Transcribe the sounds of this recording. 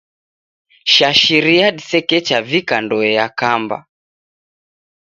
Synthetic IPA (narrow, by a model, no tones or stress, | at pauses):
ʃaʃiɾiaɗisɛkɛt͡ʃavikandɔɛjakamba̰